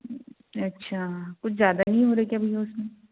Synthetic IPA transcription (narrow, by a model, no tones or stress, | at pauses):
ɐtːʃʰakʊt͡ʃʰzjaːd̪anɐɦĩɦoːɾɐekjɐbʱiɦɛʊsmẽ